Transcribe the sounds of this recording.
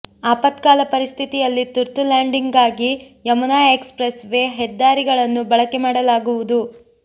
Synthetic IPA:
aːpɐt̪kaːlɐpɐɾist̪ʰit̪ijɐlːit̪uɾt̪ulaːɳɖiŋɡaːɡi | jɐmunaːekspɾesʋe̞ːɦɛd̪ːaːɾiɡɐɭɐnːubɐɭɐkemaːɽɐlaːɡuʋud̪u

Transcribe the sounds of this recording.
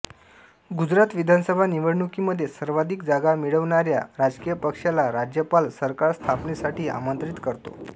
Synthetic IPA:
ɡud͡zɾat̪ʋid̪ʱansəbʱaniʋəɽɳukiməd̪ʱːjesəɾʋad̪ʱikd͡zaɡamiɭəʋɳaɾjaɾad͡zkijəpəkʂjalaɾad͡ʑjəpalsəɾkaɾst̪ʰapɳesaʈʰiːa̰mənt̪ɾit̪kəɾt̪o̰

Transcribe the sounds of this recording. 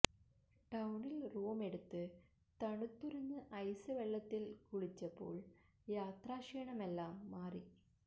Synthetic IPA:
ʈɐwɳilruːme̞ɽut̪ːɨ | t̪ɐɳut̪ːuɾɐnːɨʔɐjsɨʋeɭːɐt̪ːilkuɻit͡ɕːɐpːo̞̰ːɭ | jaːt̪raːʂeːɐɳɐme̞lːaːmːaːri

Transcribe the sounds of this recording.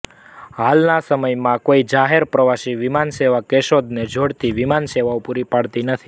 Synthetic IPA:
halnasəməjmãkoid͡ʒaɦeɾpɾəʋaʃiʋimanseʋakeʃod̪ned͡ʒʱoɽt̪iʋimanseʋaopuɾipaɽt̪inət̪ʰi̥

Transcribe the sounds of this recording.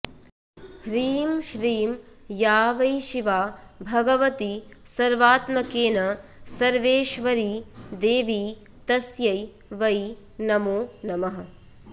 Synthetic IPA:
hɾiːmʃɾiːm | jaːʋɐjʃiʋaːbʱɐɡɐʋɐt̪isɐɾʋaːt̪mɐkeːnɐsɐɾʋeːʃʋɐɾiːd̪eːʋiː | t̪ɐsjɐj | ʋɐj | nɐmoːnɐmɐɦɐ

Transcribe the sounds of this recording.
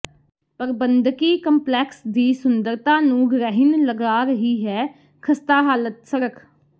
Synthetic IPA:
pəɾbənd̪kiːkəmplɛːksd̪iːsʊnd̪əɾt̪ãːnũːɡɾɛːɦɪnləɡaːɾəɦiːɦɛː | kʰəst̪aːɦaːlət̪səɾəkʰ

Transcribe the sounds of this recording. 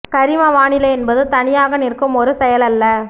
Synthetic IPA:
kɐɾɪmɐʋaːɳɪlɐɛnbɐðɯt̪ɐɳɪjaːɣɐnɪrkːɯmɔɾɯsɛjɐlɐlːɐ

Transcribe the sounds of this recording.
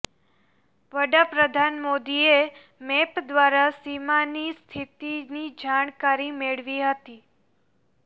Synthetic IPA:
ʋəɽapɾəd̪ʱanmod̪ie | mepd̪ʋaɾasimanist̪ʰit̪inid͡ʒaɳ̃kaɾimeɭʋiɦət̪i

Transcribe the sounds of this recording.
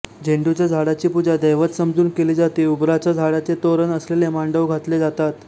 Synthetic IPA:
d͡ʑʱeɳɖut͡ɕjad͡zʱaɽat͡ɕiːpud͡ʑad̪əjʋət̪səmd͡zuːnkeliːd͡zat̪eubɾat͡ɕjad͡zʱaɽat͡set̪oɾənəslelemaɳɖəʋɡʱat̪led͡zat̪at̪

